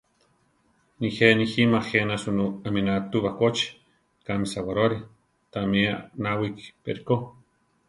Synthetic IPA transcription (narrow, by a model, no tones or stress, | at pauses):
nixeniximaxenasunuaminat̪uβakʷot͡ʃi̥ | kamisawaɾoɾi | t̪amianawikpḛɾiko